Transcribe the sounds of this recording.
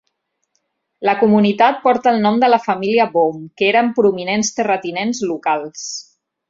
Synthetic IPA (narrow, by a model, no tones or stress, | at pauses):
ləkumunit̪at̪̚pɔɾt̪əːlˠnɔmd̪ələfəmiliəβomkeɾəmpɾuminenst̪ərət̪inenzlukalˠs